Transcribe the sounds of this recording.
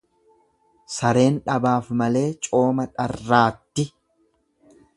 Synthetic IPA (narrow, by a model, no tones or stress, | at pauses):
sɐɾe̞ːnᶑɐbaːfmɐle̞ːt͡ʃʼo̞ːmɐᶑɐrːaːt̪ːɪ